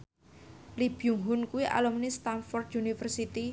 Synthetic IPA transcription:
lib̥juŋɦʊnkuwiʔa̰lumnist̪anfɔrd̪unifərsit̪i

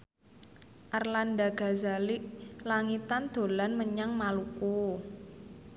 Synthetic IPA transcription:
ʔarlanɖa̤ɡ̥a̤zaliʔlaŋit̪and̪̥o̤lanməɲaŋmaluku

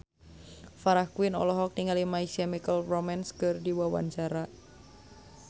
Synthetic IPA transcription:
faɾahkuɪnɔ̰lɔɦɔk̚niŋalimaisɛmikəlromɛnskɨrdiwawa̰ɲt͡ʃaɾa

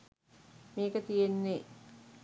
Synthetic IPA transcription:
meːkət̪ijenːe

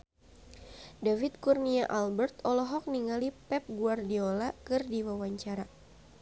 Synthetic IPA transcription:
davit̪̚kurniaʔalbɛrt̪ɔlɔɦɔk̚niŋalipɛp̚ɡuardiolakɨrdiwawaɲt͡ʃaɾa

